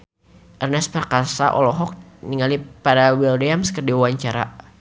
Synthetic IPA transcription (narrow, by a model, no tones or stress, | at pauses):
ʔərnɛspərkasa̰ʔɔ̰lɔɦɔk̚niŋalipaɾawildɛamskərdiwaɲt͡ʃaɾa̰